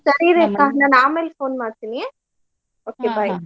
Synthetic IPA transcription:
sɐɾiɾekãːnãːnaːmeːlfoːnmaːɾt̪inijẽ | oːkebaːj

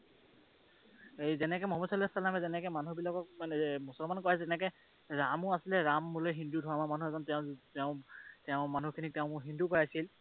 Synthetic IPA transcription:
ejzɛnɛkɛmɔɦmɔsalɛsalamɛzɛnɛkɛmanubilakɔk̚manɛmusɔlmankojasɛnɛkɛ | ɹamʊasilɛɹamːulojɦindudʱɔwamamanuɛzɔntɛʊ̃tɛʊ̃tɛʊ̃manukʰinik̚tɛʊ̃mʊɦindukojasil

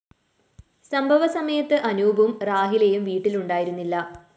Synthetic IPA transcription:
sɐmbʱɐʋɐsɐmɐjɐt̪ːɨʔɐnuːbʱumraːɦilejumʋiːʈːiluɳɖaːjiɾunːilːɐ

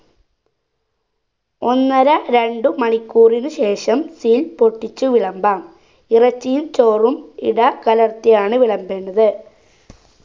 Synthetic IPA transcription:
o̞nːɐɾɐɾe̞ɳɖɨmɐɳikʲːuːrinɨɕe̞ːʂɐmsilpo̞ʈːit͡ɕːuʋiɭɐmbaːm | irɐt͡ɕːijimt͡ɕo̞ːrumḭɽɐkɐlɐrt̪ijaːɳɨʋiɭɐmbe̞ːnːɐðɨ

